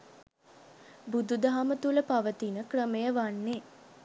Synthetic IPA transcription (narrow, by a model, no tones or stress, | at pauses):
bud̪ud̪aɦamət̪uləpaʋət̪inəkrəmejəʋanːe